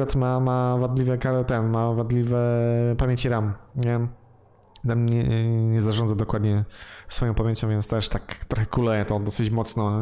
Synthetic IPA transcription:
ɛt̪mamavad̪lʲivɛkaɾɛt̪ɛnmavad̪lʲivɛpamʲjeɲt͡ɕiɾamɲɛ | namɲɛɲɛzaʐɔ̃ndzad̪ɔkwad̪ɲɛsfɔjɔ̃pamʲjeɲt͡ɕɔ̃vjɛnt̪t̪ɛʂt̪akt̪ɾɔxɛkulɛjɛt̪ɔd̪ɔsɘt͡ɕmɔt̪snɔ

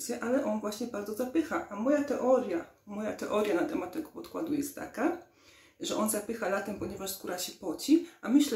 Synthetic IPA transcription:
t͡s̪ʲjɛʔalɛʔɔnvwaɕɲɛbaɾd̪zɔzapɘxaʔamɔjat̪ɛʔɔɾʲjamɔjat̪ɛʔɔɾʲjanat̪ɛmat̪̚ːɛɡɔpɔt̪kwa̰d̪ujɛst̪tːa̰ka | ʐɛʔɔnzapɘxalat̪ɛmpɔɲɛvaʐsɡuɾaɕɛpɔt͡ɕifʔamɘɕlɛ

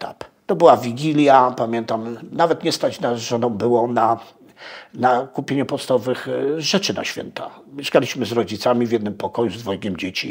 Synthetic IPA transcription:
t̪a̰kt̪ɔbɘwavʲiɡʲilʲjapamʲjɛnt̪amnavɛt̪ɲɛst̪at͡ɕnaʐɔnɔ̃w̃bɘwɔna | nakupʲjeɲupɔt̪st̪avɔvɘxʐɛt͡ʂɘna̰ɕfʲjɛ̰nt̪a̰ | mʲjeʂkalʲiɕmɘzɾɔd͡ʑit̪samʲivʲjɛd̪nɘmpɔkɔjuzd̪vɔjiɡʲɛmd͡ʑet͡ɕi

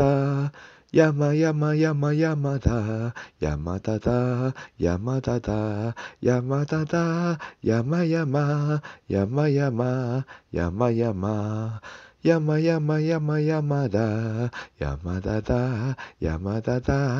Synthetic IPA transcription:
a | jamajamajamajamad̪aja̰mad̪ad̪aja̰mad̪ad̪ajamat̪ad̪ajamajamajamajamaja̰majama | jamajamajamajamad̪aja̰mad̪ad̪aja̰mad̪ad̪a

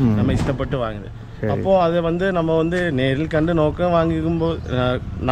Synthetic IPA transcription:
nɐmːɐɪsʈ̪ːɐpːɐʈːɯʋaːŋɡɐðɯ̰ | ɐpːoːɐðɯʋɐnd̪ɯnɐmːɐʋɐnd̪ɯneːɾɪlkɐɳɖɯnoːkːɐ̃ʋaːŋɡɯkːɯmpoːðɯn

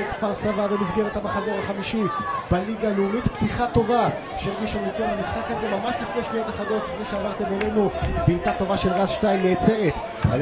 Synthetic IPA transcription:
t̪faʁsavavemizɡe̞ʁet̪hamaχazoʁaχamiʃibaliɡalumit̪pt̪iχat̪o̞va | ʃeʁɡiʃulit͡solamisχakaze̞mamaʃlifnejʃnijot̪aχado̞t̪lifneʃeavaʁt̪e̞melenubeːt̪at̪o̞vaʃelʁazʃtajmneːt͡se̞ʁet̪ | a̰l

